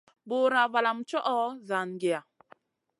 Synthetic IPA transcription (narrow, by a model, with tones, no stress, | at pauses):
bo˦ɾa˨va˨la˨mt͡ʃɔ˦ʔɔ˦za˨nɡe˨a˨